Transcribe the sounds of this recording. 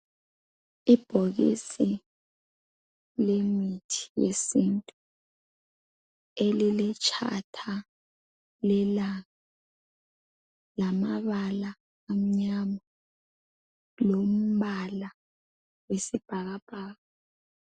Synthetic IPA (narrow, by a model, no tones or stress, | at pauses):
ib̥ʱoɣḭsi | lemitʰi̥jḛsintʼu | elilit͡ʃʼʰa̰tʰa | lɛlaɣa | lamaβala | am̩ɲama | lom̩βala | wesib̥ʱaɣab̥ʱaːɣa